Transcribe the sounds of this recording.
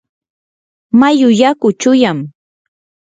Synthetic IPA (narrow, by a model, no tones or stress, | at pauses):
majʊjakʊt͡ʃʊjam